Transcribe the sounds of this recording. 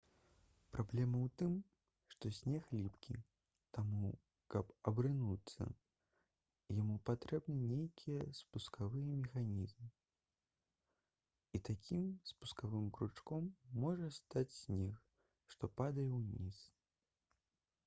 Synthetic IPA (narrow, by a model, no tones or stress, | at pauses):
pɾablʲɛmɐwt̪ɨm | ʂt̪ɔsʲnʲɛxlʲipkʲḭ | t̪amu | kɐpɐbɾɨnut̪sːɐ̰ | jamupat̪ɾɛbnɨnʲejkʲʰijɛspuskavɨjɛmʲɛxanʲizmɨ | it̪akʲimspuskavɨmkɾut͡ʂkɔmːɔʐɐst̪at͡sʲsʲnʲɛx | ʂt̪ɔpad̪ɐjɛwnʲis